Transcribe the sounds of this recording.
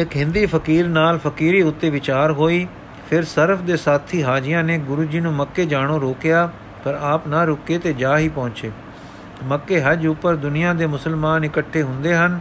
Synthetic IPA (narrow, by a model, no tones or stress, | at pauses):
ɪkɦɪ̃nd̪iːpʰəkiːɾnaːlpʰəkiːɾiːʊt̪ːeːʋɪt͡ʃaːɾɦoːiː | pʰɪɾsəɾəpʰd̪eːsaːt̪ʰːiːɦaːd͡ʒɪjãːneːɡʊɾuːd͡ʒiːnũːməkːeːd͡ʒaːɽ̃oːɾoːkɪjaː | pəɾaːpnaːɾʊkːeːt̪eːd͡ʒaːɦiːpɔ̃ːɲt͡ʃeː | məkːeːɦəd͡ʒʊpːəɾd̪ʊnɪjãːd̪eːmʊsəlmaːnɪkəʈʰːeːɦʊ̃nd̪eːɦən